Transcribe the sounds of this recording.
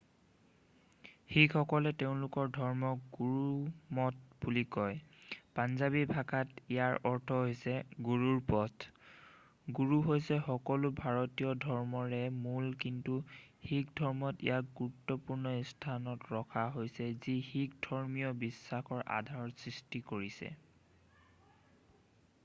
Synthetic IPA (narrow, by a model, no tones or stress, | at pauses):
hikʰɔkɔlɛteʊ̃lʊkɔɹdʱɔɹmɔɡuɹumɔt̚bulikɔjpanzabibʱakatijaɹɔɹtʰɔɦojsɛɡuɹuɹpɔtʰ | ɡuɹuɦojsɛxɔkɔlʊbʱaɹɔtijɔdʱɔɹmɔɹɛmulkintuhikdʱɔɹmɔtḭjaɡuɹutːɔpuɹnɔistʰanɔtɹɔkʰaɦojsɛzixikdʱɔɹmijɔbisːaxɔɹʔa̰dʱaɹɔsɹistikoɹisɛ̰